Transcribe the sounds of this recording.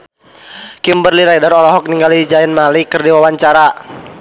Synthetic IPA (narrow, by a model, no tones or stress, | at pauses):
kimbərliɾadaɾɔlɔɦɔk̚niŋɡalid͡ʒaɛnmalikɨrdiwawaɲt͡ʃaɾa